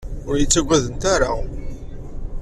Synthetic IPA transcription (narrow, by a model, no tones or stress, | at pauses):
ʊɾjət͡sːæɡʷæðənt̪aɾa